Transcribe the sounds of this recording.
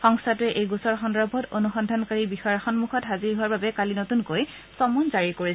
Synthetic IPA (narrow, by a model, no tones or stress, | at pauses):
xɔŋstatʊɛʔejɡusɔɹxɔndɔbʱɔtonuxɔndʱankaɹibixɔjɔxɔnmuxɔtɦaziɹiɦʊaɹbabɛkalinotunkoj | sɔmunzaɹikoɹi